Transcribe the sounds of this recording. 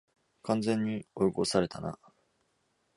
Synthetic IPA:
kãnd͡zẽ̞ɲ̟ːioiɡosaɾe̞t̪ana̰

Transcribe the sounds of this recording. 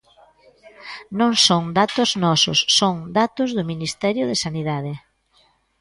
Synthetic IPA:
nõŋsõŋd̪at̪ʊznɔsʊ̰sːoŋd̪at̪ʊzðʊminist̪ɛɾjʊðɪsaniðaðɪ

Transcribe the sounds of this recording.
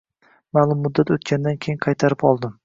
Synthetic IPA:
maːlˠʊmːʊd̪ːat̪ot̪̚kʲand̪ankʲʰejɪŋqʰɑjt̪ʰaɾɪpɒlˠd̪ɪm

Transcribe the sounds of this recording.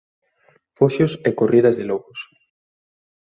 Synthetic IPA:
foʃosekorið̞ɐzðɪloɣʊs

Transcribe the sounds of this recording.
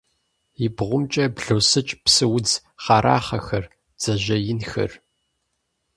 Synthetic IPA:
ɪbʁʷʊmt͡ʃʼɐbɮoːsɨt͡ʃʼpsɨwʊd͡z | χɑːɾʔa̰ːχɐxɐr | d͡z̥ɐʑɐjɪnxɐ̰r

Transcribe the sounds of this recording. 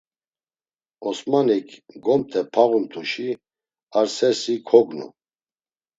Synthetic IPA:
ɔsmanikʰɡɔmt̪ʰɛpʰaʁumt̪ʰuʃi | aɾsɛsikʰɔɡnṵ

